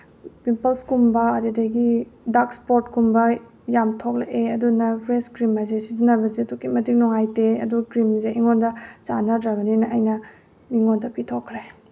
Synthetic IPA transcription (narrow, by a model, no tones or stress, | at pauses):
pimpɐlskumbɐɐɾidɐɡidakspoɾtkumbɐ | jamtʰok̚leʔeɐdunɐpʰɾeskɾimazesizinɐbɐzetukimɐtik̚nɔŋajteɐ̰dukɾimzeiŋondɐt͡ʃanɐdɾɐɡɐninɐʔɐjnɐ | miŋondɐpitʰokʰːɾe